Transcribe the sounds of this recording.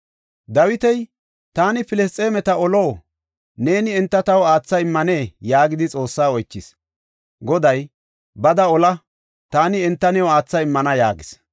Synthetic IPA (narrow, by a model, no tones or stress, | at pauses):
d̪ɐwɪt̪ɛj | t̪aːnɪpɪlɛs̬t̪ʼːe̞ːmɛt̪ɐɔlo̞ː | ne̞ːnɪɛnt̪ːɐt̪ɐwaːt͡sːɐɪmːɐne̞ːjaːɡɪd̪ɪt͡sʼo̞ːsːaːɔjt͡ʃːɪs | ɡɔd̪ɐj | bɐd̪ɐɔlɐ | t̪aːnɪɛnt̪ːɐnɛwɔaːt͡sːɐɪmːɐnɐja̰ːɡɪs